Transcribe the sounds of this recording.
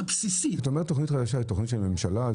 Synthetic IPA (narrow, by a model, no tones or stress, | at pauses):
bsisiataomet̪ːo̞χnit̪χad̪aʃ̬ait̪o̞χnit̪ʃelme̞mʃala